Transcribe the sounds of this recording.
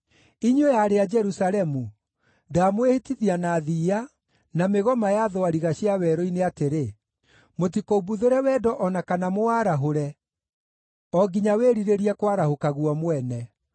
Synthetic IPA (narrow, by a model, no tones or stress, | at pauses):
iɲejaɾead͡ʒɛɾusalɛmu | daːmwehitiðianaðiːa | nameɣɔmajaðoaɾiɣaɕiawɛɾɔineateɾe | motikoubuðeɾɛwɛːdɔʔɔnakanamoaɾaɦoɾɛ | ɔɡiɲaweɾiɾeɾiɛkwaɾahokaɣuɔmwɛnɛ